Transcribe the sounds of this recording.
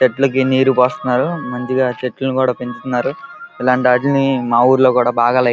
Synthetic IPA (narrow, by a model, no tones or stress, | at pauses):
t͡ʃeʈːulɐk̬iniːɾupoːst̪unːaːɾumɐɲt͡ʃiɡaːt͡ʃeʈːlɐnukuːɽaːpeɲt͡ʃut̪unːaːɾuilaːɳʈiaʈlunimaːuːɾloːkuːɽaːbʱaːɡaːlɐ